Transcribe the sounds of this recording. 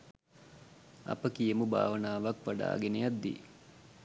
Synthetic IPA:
ɐ̰pəkijəmuba̰ːʋənaːʋakʋaɖa̰ːɡenejat̪d̪ḭ

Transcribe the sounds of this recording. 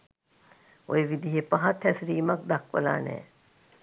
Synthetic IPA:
o̰jeʋid̪iɦepaɦat̪ʰːɛsɾiːmak̚d̪akʋə̰la̰ːnɛ̰ː

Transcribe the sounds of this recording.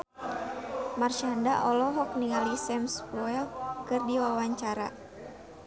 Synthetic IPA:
marʃandaʔɔlɔɦɔk̚niŋalisɛmspɔɛlkɨrdiwawaɲt͡ʃaɾa̰

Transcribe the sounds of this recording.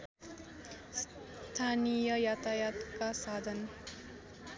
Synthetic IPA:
s | t̪ʰanijʌjat̪ajat̪kasad̪ʱʌn

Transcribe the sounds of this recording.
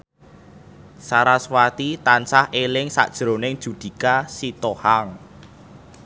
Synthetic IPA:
saɾaswat̪it̪ansahelɪŋsa̰ʔd̥ʒ̥ɾonɪŋd̥ʒ̥ṳd̪̥i̤kasit̪ohaŋ

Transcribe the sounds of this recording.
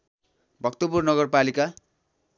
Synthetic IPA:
bʱʌkt̪opurnʌɡʌrpalika

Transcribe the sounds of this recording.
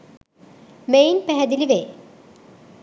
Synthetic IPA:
mejnpæɦɛd̪iliʋe

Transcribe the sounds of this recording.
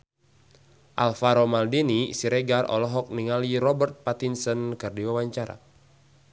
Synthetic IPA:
ʔalfaɾomaldinisiɾɛɡarʔɔ̰lɔɦɔk̚niŋaliɾɔbərt̪̚pat̪insənkɨrdiwawaɲt͡ʃaɾa̰

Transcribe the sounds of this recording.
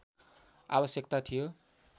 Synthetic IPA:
a̰bʌsjekt̪at̪ʰijo

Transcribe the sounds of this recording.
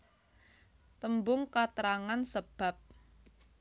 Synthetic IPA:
t̪əmbʊŋkat̪ɾaŋansəb̥a̤p̚

